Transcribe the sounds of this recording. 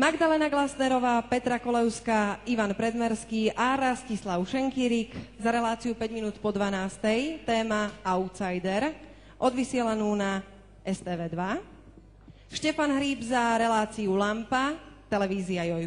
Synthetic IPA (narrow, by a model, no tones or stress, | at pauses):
maɡd̪alɛːnaɡlasnɛɾɔʋaːpɛt̪ɾakɔlɛʊskaiʋanpɾɛd̪mɛɾskiːʔaɾascislaʊʃɛŋkiɾikzaɾɛlaːt͡siupɛɟminuːt̪pɔd̪ʋanaːst̪ɛjt̪ɛːmaaʊt̪sajd̪ɛɾ | ʔɔd̪ʋisɪɛlanuːna | ʔɛst̪ɛːʋɛːd̪ʋa | ʃcɛfanɦɾiːbzaɾɛlaːt͡siulampat̪ɛlɛʋiːziajɔj